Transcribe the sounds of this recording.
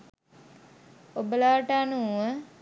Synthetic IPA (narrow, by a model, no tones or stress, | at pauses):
obəlaːʈaanuuʋə